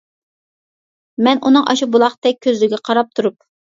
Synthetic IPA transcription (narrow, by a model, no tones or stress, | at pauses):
mɛnunɨŋʔɑ̰ʃubulˠɑχt̪ɛk̚ʲʰːøzlɪɡʲɛqʰɑɾɑp̚t̪ʰuɾup̚